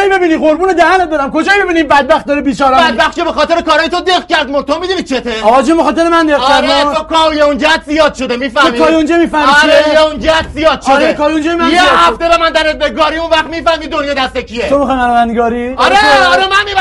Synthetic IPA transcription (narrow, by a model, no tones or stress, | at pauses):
jbebiniʁoɾbuːned̪æhæned̪ɒɾæmkod͡ʒɒːjbebiːnibæd̪̚bæxt̪̚d̪ɒɾibiːt͡ʃɒːɾæbæd̪bæxt̪t͡ʃʰebexɒːt̪ʰeɾekʰɒːɾɒːjet̪ʰod̪eɣcæɾd̪mot̪ʰomid̪unit͡ʃʰet̪ʰeɒɒd͡ʒimoxɒːt̪eɾemænd̪eɣæɾæokʰɔjeund͡ʒæt̪zijɒːd̪̥ʃo̞d̪emiːfæemːikʰɒːjund͡ʒɔmiːfæhmiɾejeund͡ʒææd̪zijɒːd̪ʃoekʰɒːjũnd͡ʒɔjemænjehæft̪ebemænd̪æɾebeɡɒːɾiunvæχmiːfæhmid̪onjɑd̪æst̪ekʰiet̪omixɔjmænovænd̪ɡɒɾiɒɾeɒɾemænmiː